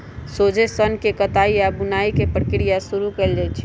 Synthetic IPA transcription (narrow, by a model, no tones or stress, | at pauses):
soːd͡ʒesənkekət̪aiabʊnaikepɾəkɾijasuɾukeld͡ʒat͡ʃʰi